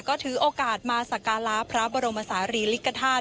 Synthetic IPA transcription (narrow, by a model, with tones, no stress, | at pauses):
kɔː˥˩t̪ʰɯː˩˦ʔoː˧kaː˨˩t̪̚maː˧sa˨˩kaː˧la˦˥pʰɾa˦˥bɔː˧ɾo˧mːa˧saː˩˦ɾiː˧li˦˥kʰːa˧t̪ʰaː˥˩